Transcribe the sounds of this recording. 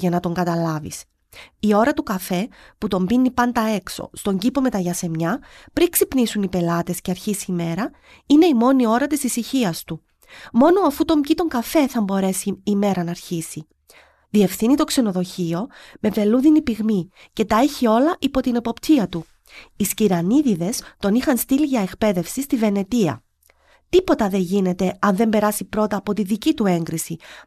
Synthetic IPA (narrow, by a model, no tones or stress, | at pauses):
ʝɐnɐt̪o̞ŋɡɐt̪ɐlɐvḭs | io̞ɾɐt̪ukɐfe̞put̪o̞mbinːipɐnd̪ɐe̞kso̞̰st̪oɲɟipo̞me̞t̪ɐʝɐse̞mɲɐpɾiksipnisunipe̞lɐt̪e̞sceɐɾçisime̞ɾɐ | ine̞imo̞nio̞ɾɐt̪isisiçiɐst̪u | mo̞no̞ɐfut̪o̞mcit̪o̞ŋɡɐfe̞θɐmbo̞ɾe̞siːme̞ɾɐnːɾçisi | ðie̞fθinit̪o̞kse̞no̞ðo̞çio̞me̞ve̞luðinipiɣmi | ce̞t̪ɐe̞çio̞lɐʔipo̞t̪ine̞po̞pt̪ʰiɐt̪u | isciɾɐniðiðe̞st̪o̞nixɐnst̪iliʝɐe̞kpe̞ðe̞fsist̪ive̞ne̞t̪iɐ̰ | t̪ipo̞t̪ɐðe̞ɲʝine̞t̪e̞ɐnðe̞mbe̞ɾɐsipɾo̞t̪ɐːpo̞t̪iðicit̪ue̞ŋɡɾisi